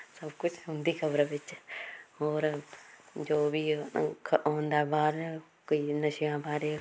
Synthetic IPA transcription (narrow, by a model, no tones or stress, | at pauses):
səbkʊt͡ʃʰɦʊ̃nd̪iːkʰəbɾʋɪt͡ʃ | oːɾ | d͡ʒoːbiːkʰɦõːnd̪aːbaːɾ | koiːnəʃijãːbaːɾe